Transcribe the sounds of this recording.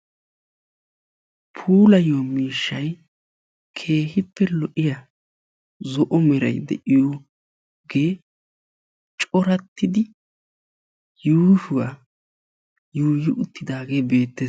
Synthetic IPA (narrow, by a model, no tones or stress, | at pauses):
pʰuːlɐjoːmiːʃːɐj | kʰe̞ːhɪpːɛlɔʔɪja | zɔʔɔmɛɾɐ̰jd̪ɛ̰ʔɪjo | ɡeː | t͡ʃʼɔɾɐt̪ːɪd̪ɪ | juːʃʊwa | juːjɪʔʊt̪ːɪd̪aːɡeːbe̞ːt̪ːeːs